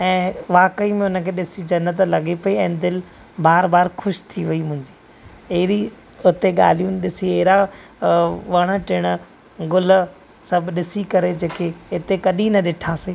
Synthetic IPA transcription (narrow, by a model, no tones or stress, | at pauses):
ɛ̃ːʋaːkəimẽʊnəkʰeːɗɪsid͡ʑɐnːət̪lɐɠepɐiɛ̃ːd̪ɪl | baːɾbaːɾxʰʊʃt̪ʰiʋɐimʊ̃ɦɪ̃ɲd͡ʑiː | eɦɪɾi | ʊt̪eɠa̰ːl̤ijũɗɪsieɦɾa | ʋɐɽ̃əʈɪɽ̃ | ɡʊl | sɐbʱɗɪsikɐɾed͡ʑeːkeɪt̪ekɐɗĩnɐɗɪʈʰaːseː